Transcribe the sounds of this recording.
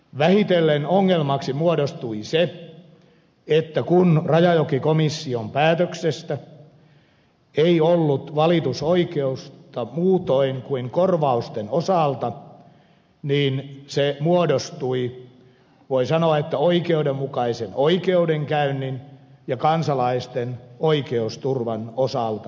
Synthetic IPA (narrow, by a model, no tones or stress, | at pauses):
ʋæhit̪elːenoŋːelmɑksimuodost̪uise | et̪ːækunrɑjɑjokikomisːiompæːt̪øksest̪æ | eiolːut̪ʋɑlit̪usoikeust̪ɑmuːt̪oiŋkuiŋkorʋɑust̪enosɑˑlt̪ɑ | niːnsemuodost̪ui | ʋoisɑnoɑet̪ːæoikeudemmukɑisenoikeudeŋkæynːinjɑkɑnsɑlɑist̪enoikeust̪urʋɑnosɑˑlt̪ɑ